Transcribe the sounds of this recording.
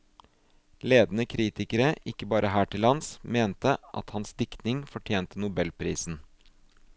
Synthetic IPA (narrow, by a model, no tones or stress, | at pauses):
leːd̪n̩əkʰɾiːt̪ɪkəɾəʔɪkːəbɑːɾʔəɦæːʈʰɪlhɑnsmeːnt̪əʔɑ̰t̪hɑnsd̪ɪkt̪nɪŋfɔʈʰjeːnt̪ənʊbɛlpʰɾiːsn̩